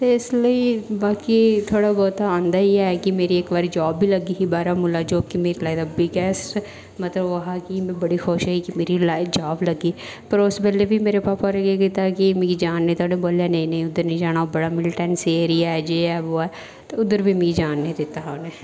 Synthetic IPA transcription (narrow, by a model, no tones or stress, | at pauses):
t̪eɪsləiːbaːkit̪ʰoːɽaɡoːt̪aãːnd̪aːiɛkimeːɾieːkbaːɾid͡ʒaːbːiːləɡiɦibaːɾamʊlaːd͡ʒoːkimeːɾilaːid̪abɪɡɛːs | mət̪ləbʋɐɦaːkimɛ̃bəɽixoːʃɦaːikimeːɾilaːid͡ʒaːbləɡiː | pəɾʊsbɛlebʱimeːɾepaːpaɾeɡeɡɪt̪aːkimĩɡid͡ʒaːnːẽit̪ʰoːɽẽboːljanɐ̃ĩnɐ̃ĩʊd̪əɾnĩd͡ʒaːɽ̃aːobəɽaːmɪlʈɛːnseːɾiaɛd͡ʒeːɛːʋoːɛː | t̪eʊd̪əɾbʱiːmĩɡid͡ʒaːnːẽĩd̪ɪt̪ːaɦaːneː